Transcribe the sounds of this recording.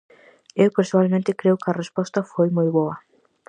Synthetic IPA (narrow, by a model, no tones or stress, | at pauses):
ewpeɾsoalmẽnt̪ɪkɾeʊkɐrespɔst̪ɐfojmojβoɐ